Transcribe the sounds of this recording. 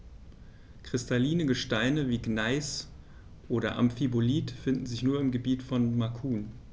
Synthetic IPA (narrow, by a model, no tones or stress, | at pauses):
kʁ̥ɪstaliːnəɡəʃtaɪnəviːɡnaɪs | ʔoːɾɐ̰ʔa̰mfiboliːtfɪndn̩zɪçnuːɐɪmɡəbiːtfɔnmakʰuːn